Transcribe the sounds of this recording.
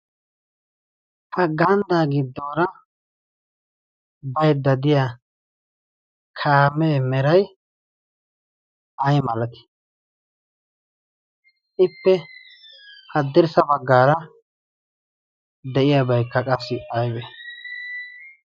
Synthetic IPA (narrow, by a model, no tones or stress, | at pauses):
hɐɡɐnd̪aːɡɪd̪ːoːɾɐ | bɐjd̪ːɐd̪ɪja | kʰaːmeːmɛɾɐj | ɐjmɐlɐt̪ɪ̥ | ʔɪpːɛ | hɐd̪ɪɾsɐbɐɡːaːɾɐ | d̪ɛʔɪjabɐjkːɐkʼɐsːɪɐjbe